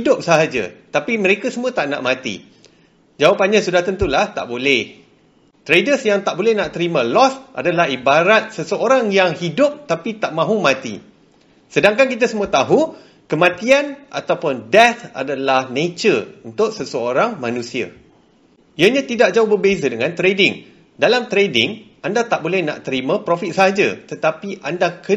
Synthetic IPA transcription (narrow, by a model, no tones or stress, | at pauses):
hidʊp̚səɦad͡ʒa̰t̪apimə̃ɾekasəmũət̪aʔna̰ʔmãt̪ḭ | d͡ʒawapanɲãsudaht̪ənt̪ulaht̪a̰ʔbolɛh | t̪ɾedəsjaŋt̪aʔbolɛhnaʔt̪əɾimãlɔsʔa̰dalahibaɾat̪̚səsəoɾaŋjaŋhidʊp̚t̪apit̪aʔmãɦumãt̪ḭ | sədaŋkankit̪asəmũət̪aɦu | kəmãt̪ianʔa̰t̪awpʊndɛt̪a̰dalahnẽt͡ʃərunt̪ʊʔ̚səsəoɾaŋmãnũsia̰ | iəɲãt̪idaʔ̚d͡ʒaʊhbərbezadəŋãnt̪ɾedɪŋ | dalamt̪ɾedɪŋʔandat̪aʔbolɛhnã̰ʔt̪əɾimãpɾofit̪̚saɦad͡ʒa̰t̪ət̪apiʔandakə